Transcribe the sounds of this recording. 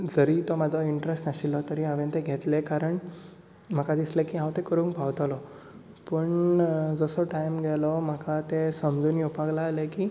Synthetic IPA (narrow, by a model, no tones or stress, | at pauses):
d͡zəɾiːt̪ɔmad͡zʱɔiɳʈɾesʈnaɕilɔt̪əɾiɦaʋent̪eɡʱet̪lekaɾəɳ | m̤akad̪islekiːɦãwt̪ekəɾũːŋkbʱawt̪alɔ | pəɳd͡zəsɔʈajmɡɛlɔm̤əkat̪esəmd͡zuːnjopaɡlaːlekiː